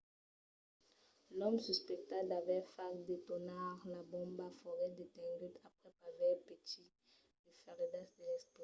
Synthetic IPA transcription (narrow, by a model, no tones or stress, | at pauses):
lɔmsyspɛk̚t̪ad̪avɛfakd̪et̪ɔnaʁlabɔ̃mbafɔʁɛd̪et̪ɛ̃ŋɡyt̪apχɛpavɛʁpet̪i | dəfɛʁed̪asd̪elɛspo